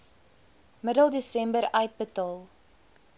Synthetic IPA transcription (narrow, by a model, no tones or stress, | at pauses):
mədəlˠdesɛmbəɾœɥt̚bətɑːlˠ